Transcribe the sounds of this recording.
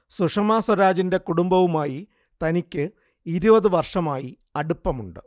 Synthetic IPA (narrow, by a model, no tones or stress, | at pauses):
suʂɐmaːswɐɾaːd͡ʑinde̞kuɽumbɐʋumaːji | t̪ɐnikʲːɨ | iɾubɐðɨʋɐrʂɐmaːji | ɐɽupːɐmuɳɖɨ